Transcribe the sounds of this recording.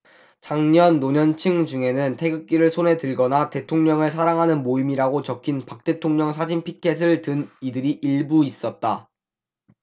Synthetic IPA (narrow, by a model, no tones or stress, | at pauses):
t͡ɕaŋɲʌnːoɲʌnt͡ɕʰɯŋd͡ʑuŋe̞nɯntʰe̞ɡɯk̚k͈iɾɯɭsʰone̞tɯɭɡʌnate̞tʰoŋɲʌŋɯɭsʰaɾaŋɦanɯnmoimiɾaɡot͡ɕʌkʰinpak̚t͈e̞tʰoŋɲʌŋsʰad͡ʑinpʰikʰe̞s̬ʰɯɭtɯnidɯɾiʔiɭbuis͈ʌt̚t͈a